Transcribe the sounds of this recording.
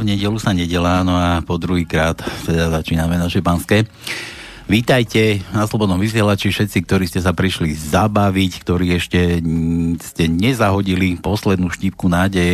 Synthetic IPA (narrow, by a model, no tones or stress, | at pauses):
vɲɛɟɛlusaɲɛɟɛlaːnɔapɔd̪ɾuɦiːkɾaːt̪t̪ɛd̪azat͡ʃiːnamɛnaʃɛpanskɛː | ʋiːt̪ajcɛnaslɔbɔd̪ɔmʋis̬ɪɛlat͡ʃifʃɛt̪t͡sik̚t̪ɔɾiːscɛs̬apɾiʃlizabaʋickt̪ɔɾiːɛʃcɛ | scɛɲɛzaɦɔɟilipɔslɛd̪nuːʃciːp̚kunaːɟɛjɛ